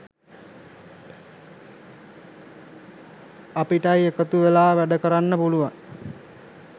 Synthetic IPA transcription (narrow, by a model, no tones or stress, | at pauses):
apiʈajekət̪uʋelaːʋæɖəkəɾanːəpuluʋaŋ